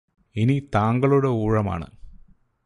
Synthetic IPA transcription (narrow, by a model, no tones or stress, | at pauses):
init̪aːŋɡɐɭoːɽeuːɻɐma̰ːɳɨ̰